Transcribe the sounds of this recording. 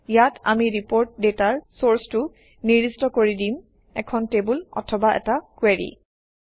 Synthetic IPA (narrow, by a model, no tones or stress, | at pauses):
jata̰miɹipoɹt̚detaɹsoɹstʊ | niɹistɔkoɹidim | ɛ̰kʰɔntebulɔ̰tʰɔbaʔɛ̰takweɹḭ